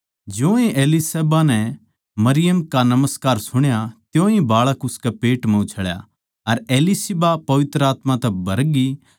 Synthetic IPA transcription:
d͡ʒjõːĩʔeːliseːbanɛ | mɐɾɪjəmkanɐməskaːɾsʊɽ̃jat̪jõːĩbaːɭəkʊskɛpeːʈmɛ̃ʊt͡ʃʰəɭja̰ | ɐɾeːlisɪbapɐʋɪt̪ɾəaːt̪mãt̪ɛbʱɐɾɡi

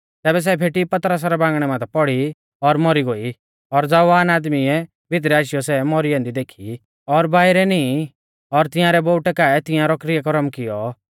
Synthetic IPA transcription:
t̪ɛːbɛs̬ɛpʰeːʈipɐt̪ɾas̬aɾɛbãːŋɡɽ̃ɛmãt̪ʰɛpɔɽi | ɔɾmɔɾiɡoːi | ɔɾd͡zaʋaːnaːd̪miɛ | bʱɪt̪̬ɾɛaːʃjɔsɛmɔɾiãnd̪id̪eːkʰi | ɔɾbaːɪɾɛni | ɔɾt̪ɪ̃jãːɾɛboːʊʈɛkaɛt̪ɪ̃jãɾɔkɾɪjakɔɾɔmkɪjɔ

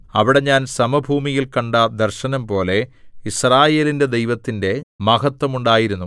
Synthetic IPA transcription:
ɐʋiɽe̞ɲaːnsɐmɐbʱuːmijilkɐɳɖɐd̪ɐrɕɐnɐmpo̞ːle̞israːje̞ːlinde̞d̪ejʋɐt̪ːinde̞mɐɣɐt̪wɐmuɳɖaːjiɾunːu

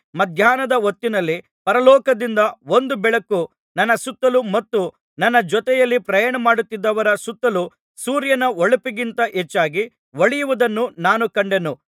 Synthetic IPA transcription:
mɐd̪ʱjaːnɐd̪ɐʋot̪ːinɐlːi | pɐɾɐlɔːkɐd̪ind̪ɐond̪ubɛɭɐkːu | nɐnːɐsut̪ːɐlumɐt̪ːu | nɐnːɐd͡ʒɔt̪ɛjɐlːipɾɐjaːɳɐmaːɽut̪ːid̪ːɐʋɐɾɐsut̪ːɐlu | suːɾjɐnɐoɭupiɡint̪ɐʔet͡ʃːaːɡi | ʋɐɭijuʋud̪ɐnːunaːnukɐɳɖe̞nu

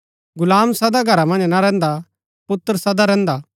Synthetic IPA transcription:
ɡʊlaːmsɐd̪aɡʱɐɾamɐ̃nd͡ʒnaɾɛ̃ːnd̪a | pʊt̪ːəɾsɐd̪aɾɛ̃ːnd̪aː

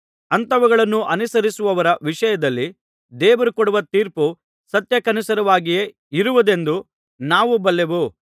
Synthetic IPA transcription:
ɐnt̪ɐʋɐɡɐɭɐnːuʔɐnusɐɾisuʋɐʋɐɾɐʋiʂɐjɐd̪ɐlːi | d̪ɛːʋɐɾukoɽuʋɐt̪iːɾpu | sɐt̪jɐkɐnusɐɾɐʋaːɡije̞ | iɾuʋud̪e̞nd̪u | naːʋubɐlːeʋu

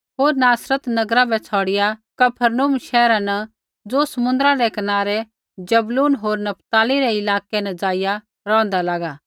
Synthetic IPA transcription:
ɦoːɾnaːsɾət̪nɐɡɾabɛt͡sʰɔːɽɪjakɐpʰəɾnuːmʃɛːɾãnɐ | d͡zoːsɐmʊ̃nd̪ɾãɾɛkɐnaːɾɛ | d͡ʒɐbluːnɦoːɾnɐp̚ʰt̪aːliɾɛɪlaːkɛnɐ̃d͡zaːɪja | ɾɔ̃ːnd̪alaːɡaː

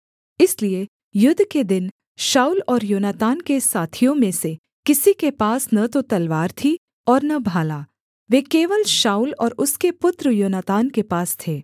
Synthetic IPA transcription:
ɪslie | jʊd̪ʱked̪ɪn | ʃaːuːlɔːɾjoːnaːt̪aːnkesaːt̪ʰijõmẽse | kɪsikepaːsnɐt̪ot̪ɐlʋaːɾt̪ʰi | ɔːɾnɐbʱaːlaː | ʋeːkeːʋəlʃaːulɔːɾʊskepʊt̪ɾəjoːnat̪aːnkepaːst̪ʰeː

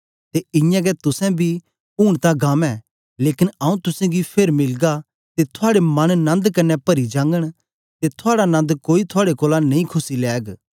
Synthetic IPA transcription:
t̪eɪ̃jãɡɛt̪ʊsɛ̃bʱi | uːɽ̃t̪ãɡaːmɛ̃ | leːkɪnɐũt̪ʊsɛ̃ɡipʰeːɾmɪlɡa | t̪et̪ʰʊaːɽemɐnnɐ̃nd̪kɐnːɛpɐɾid͡ʒãːŋɡəɽ̃ | t̪et̪ʰʊaːɽanɐ̃nd̪koːit̪ʰʊaːɽekoːlanɐ̃ĩkʰʊsilɛːɡ

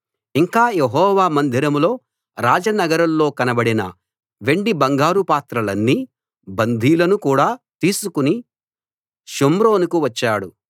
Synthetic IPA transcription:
iŋkaːjeɦɔːʋaːmɐnd̪ʱiɾɐmlo̞ː | ɾaːd͡ʒɐnɐɡɐɾɐmlo̞ːkɐnɐbɐɽinɐ̰ | ʋe̞ɳɖibɐŋɡaːɾupaːt̪ɾɐlɐnːiː | bɐnd̪ʱiːlɐnukuːɽaːt̪iːsukuni | ʃomɾo̞ːnukuʋɐt͡ʃːaːɽu

